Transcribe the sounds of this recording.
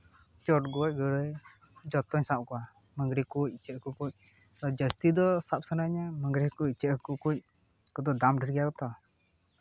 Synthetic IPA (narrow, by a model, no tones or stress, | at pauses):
t͡ʃɔʈɡɔac̚ɡəɾəj | d͡ʒɔt̪ɔɲsaʔkɔwa | məŋɡɾikuc̚t͡ʃəhkukuc̚ | ɔd͡ʒəst̪id̪ɔsap̚sənaəɲaməŋɡɾihkuc̚t͡ʃəhkukuc̚ | kɔd̪ɔd̪amɖʱəɾɡijakɔt̪ɔ